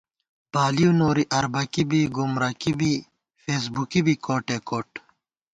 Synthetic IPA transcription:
paːliunoːɾiʔɐɾbɐkibiɡumɾɐkibi | feːs̬bukibikoːʈeːkoːʈ

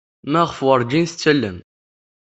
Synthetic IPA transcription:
mæʁfwəɾˤd͡ʒinθt͡sːælːən

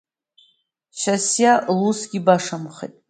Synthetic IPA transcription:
ʃasjalusɡʲibaʂamχḛjtʼ

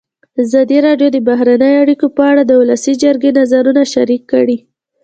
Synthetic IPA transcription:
azɑd̪iɾɑɖjod̪əbaɦɾanəjoaɽikopəaɽad̪əwulasid͡ʒəɾɡenazaɾunaʃaɾikːəɽi

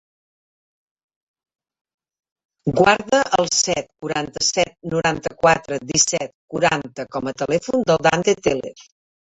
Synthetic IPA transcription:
ɡwaɾðəʔəlˠsɛt̪̚kuɾant̪əsɛt̪̚nuɾant̪əkwat̪ɾəd̪isɛt̪̚kuɾant̪əkɔmət̪əlɛfund̪əlˠd̪ant̪et̪elḛɾ

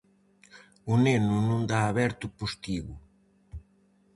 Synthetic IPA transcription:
ʊnenʊnũnd̪aːβɛɾt̪ʊpust̪iɣʊ

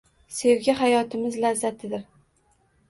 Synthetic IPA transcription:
se̞wɡʲaɦajɒt̪ʰɪmɪzlazːat̪ʰɪd̪ɪɾ

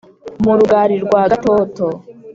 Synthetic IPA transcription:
muɾuɡaːɾiɾɡwaːɡatoto

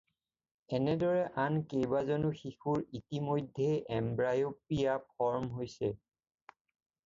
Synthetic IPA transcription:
ɛnɛdɔɹɛʔankejbazɔnuxixuɹitimojdʱːeʔɛmbɹajopijapʰɔɹmɦojsɛ

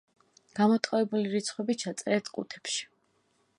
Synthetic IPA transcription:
ɡ̥amɔt̪ʼqʼɔɛbuliɾit̪sʰχwɛbit͡ʃʰat̪sʼɛɾɛt̪ʰkʼṵt̪ʰɛ̥pʃi̥

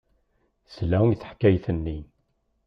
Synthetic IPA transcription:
slæwθə̥ħkːæjθənːi

